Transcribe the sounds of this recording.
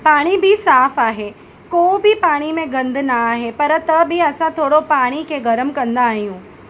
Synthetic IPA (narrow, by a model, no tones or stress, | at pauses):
paːɽ̃ibɪsaːfaːɦe | koːbʱɪpaːɽ̃imẽɡɐ̃nd̪ʱnɐaːɦepɐɾt̪ɐbɪɐsãt̪ʰoːɽopaːɽ̃ikʰeɡɐɾəmkɐ̃nd̪aːɦijũː